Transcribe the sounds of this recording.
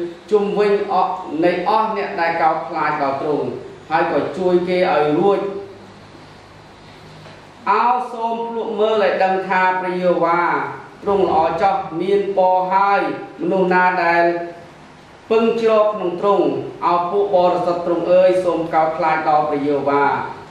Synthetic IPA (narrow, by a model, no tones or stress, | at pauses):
t͡ɕumʋɨɲnɨjʔɑhnɛ̆əʔɗaɛlkaɔp̚kʰlaːc̚ɗɑːt̪rʊŋhaəjkɑːt͡ɕuəjkeːʔaɔjruəc̚ | ʔaɔwsoːmpʰluəʔməːlʔaːjɗəŋt̪ʰaːprɑjoəʋaːt̪ruŋlə̆ʔɑːt͡ɕɑp̚miənɓɑːɦaəjmɔnuhnaːɗaɛl | pɨŋt͡ɕrɔːp̚kʰnoŋt̪rʊŋʔaɔjpuəʔɓɑːɾesət̪ːruŋʔəːjsoːmkaɔp̚kʰlaːc̚ɗɑːprɑjoːəʋaː